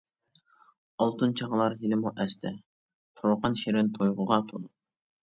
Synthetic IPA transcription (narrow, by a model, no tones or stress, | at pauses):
ɑlˠt̪ɨnt͡ʃʰɑʁlˠɑɾɦilɪmuʔɛst̪ʰɛ | t̪ʰoɾʊqʰɑnʃeɾɪnt̪ʰojʁʊʁɑt̪ʰod̪u